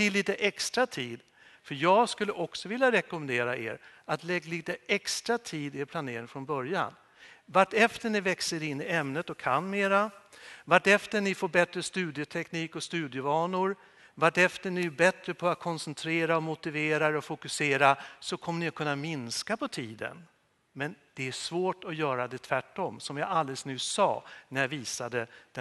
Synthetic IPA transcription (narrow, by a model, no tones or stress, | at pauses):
t̪ɪlːiːt̪əʔɛkst̪ɾat̪ʰiːd̪ | fœɾjɑːɡskɵlːəʔɔksɔvɪljaɾɛkɔmɛnd̪eːɾa̰ʔḛːɾ | at̪lɛɡliːt̪əɛkst̪ɾat̪ʰiːd̪ɪɾpʰlaneːɾɪŋfɾɔnbœɾja̰n | vaʈɛft̪əɳɪvɛksəɾɪnːɪɛmnət̪ɔkʰːa̰nːmeːɾavaʈɛft̪əɳɪfoːɾbɛt̪ɾəst̪ʉ̟ːd̪jət̪ʰɛkniːkɔst̪ʉ̟ːd̪jəvɑːnʊɾ | vaʈɛft̪əɳɪjbɛt̪ɾəpʰɔat̪̚kʰɔnsɛnt̪ʰɾeːɾaɔmʊt̪ɪveːɾaɾɔfʊkɵseːɾasɔkʰɔmːəɳɪʊkʰɵnːamɪnskapʰɔt̪ʰiːd̪ə̰n | mɛnd̪̥ɛæʂvoːʈɔjœːɾad̪ɛt̪ʰvæʈːɔmːsɔmjaald̪ɛlsnʉ̟ːsɑ̰ːnæɾjaviːsad̪əd̪̥ɛ